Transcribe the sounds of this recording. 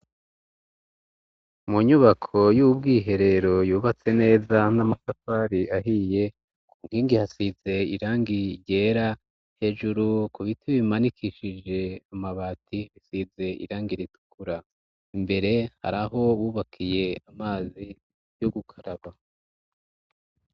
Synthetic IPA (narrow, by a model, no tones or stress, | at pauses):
muɲuβakʰo̞juubɡiːɦe̞ɾe̞ɾo̞juːβat͡se̞ne̞ːzanamasafaːɾiaɦije̞ | kuŋ̥hiːŋɡihasize̞iɾaːŋɡiɾɟe̞ɾa | he̞ːʒuɾukuβitʰiβimanikʰiʃid͡ʒe̞amaβaːtiβisize̞ʔḭɾaːŋɡiɾitu̥kuɾa | imbe̞ɾe̞ha̰ɾaɦo̞βuːβakʰije̞amaːzi | joɡukʰaɾaβa